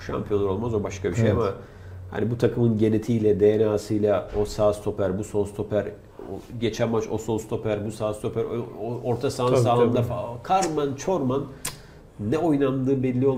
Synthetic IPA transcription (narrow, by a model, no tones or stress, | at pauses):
ʃa̰mpʰijo̞nɾo̞lˠmazo̞baʃkʰabiʃejama | ha̰nibut̪ʰakʰɯmɯnɟe̞net̪ʰijlʲɛd̪e̞jenaːsɯjlˠao̞saːst̪ʰo̞pʰæɾbuso̞nst̪ʰo̞pʰæɾ | o̰ɟe̞t͡ʃʰænmat͡ʃo̰so̞nst̪ʰo̞pʰæɾbusaːst̪ʰo̞pʰæɾoɾt̪ʰasaːnaːɯnd̪afakʰaɾmant͡ʃʰo̞ɾmanː | ɛo̞jnand̪ɯːbɛllʲːijo